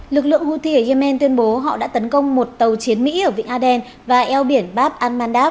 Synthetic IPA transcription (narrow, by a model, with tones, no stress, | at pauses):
lɨ˨˩k̚lɨ̰˧˨əŋhu˧t̪ʰi˧ə˨˩zə˧mɛ˧nt̪wi˧ənɓo˨˦ɦɔ̰˧˨ɗa̰ː˧˥t̪ə˨˦nkə˧wŋ͡mmo˨˩t̚t̪ə˨˩wt͡ɕi˨˦ənmḭ˧˥ʔəː˧˩vḭ̈˧˨ŋ̟ʔaː˧ɗɛ˧n | vaː˨˩ʔɛ˧wɓi˧˩ənɓaː˦˥p̚ʔaː˧nmaː˧nɗaː˦˥p̚